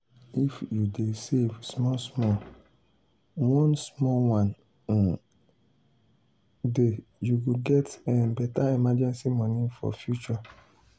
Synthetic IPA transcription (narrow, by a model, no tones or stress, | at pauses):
ifjudesevsmɔsmɔ | wɔ̃nsmɔwãn | dejuɡoɡɛtɛbɛtaimad͡ʒɛ̃nsimɔ̃nĩfɔ̰fjut͡ʃɔ